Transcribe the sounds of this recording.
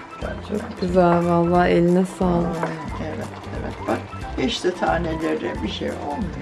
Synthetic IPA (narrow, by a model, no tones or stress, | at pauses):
t͡ʃʰo̞k̚ɟ̥ʲyzælʲvalˠːaːelʲinɛsaːlˠaevɛt̪ḛvɛ̰t̪̚b̥ak | bɛʃt̪ʰɛt̪ʰaːnelʲeɾd̪ɛbiʃḛjolˠmujo